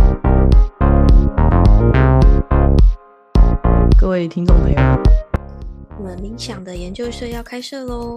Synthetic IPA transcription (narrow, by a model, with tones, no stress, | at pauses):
kɤ˥˧we˥˩ɪt̪ʰi˥ŋt͡so˥˨˩ŋmḛ˧˥ɪjo˨˩ | wɔ˨˩mə˦ni˧˥ŋɕjɑ˨˩ŋd̪ə˦jɛ˧˥nt͡ɕjo˥˧ʊʂɤ˥˧jɑ˥˩ʊkʰa˥ɪʂɤ˥˩lo˥˩